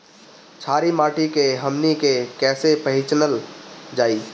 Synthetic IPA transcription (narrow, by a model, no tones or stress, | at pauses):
t͡ʃʰaːɾimaːʈikeɦəmnikekɛːsepəɦɪt͡ʃnəld͡ʒaːi